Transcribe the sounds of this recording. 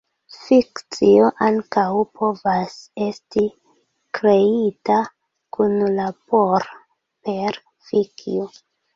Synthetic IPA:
fikt͡sio̞ʔaŋkawpʰo̞vase̞sti | kɾe̞ita | kʰunlapo̞ɾ | pe̞ɾ | fikḭo

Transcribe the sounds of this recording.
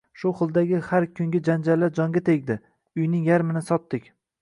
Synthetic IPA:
ʃʊχɨlˠd̪aɡʲɪhaɾkʲʰʊŋɡʲɪd͡ʒand͡ʒalːaɾd͡ʒɒŋɡʲat̪ʰe̞ɡʲd̪ɪ | ʊjnɪŋjaɾmɪnɪsɒt̪ːɪkʲ

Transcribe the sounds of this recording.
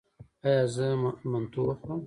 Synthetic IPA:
ajazəmant̪uo

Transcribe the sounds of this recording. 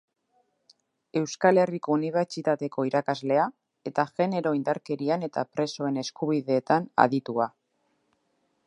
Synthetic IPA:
e̞wskale̞riko̞uniβ̞e̞ɾt͡ʃit̪at̪e̞ko̞iɾakazle̞a | e̞t̪aɣe̞ne̞ɾo̞ind̪aɾke̞ɾiane̞t̪apɾe̞so̞e̞ne̞skuβ̞iðe̞ːt̪ana̰ðit̪ua

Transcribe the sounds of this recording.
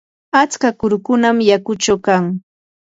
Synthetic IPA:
at͡skakʊɾʊkʊnamjakʊt͡ʃawkaŋ

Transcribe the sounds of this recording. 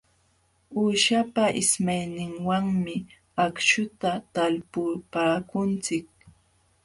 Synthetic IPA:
uːʃapaʔɪsmajnɪŋwaŋmɪ | akʃʊt̪at̪alpʊpaːkʊnt͡sɪk̚

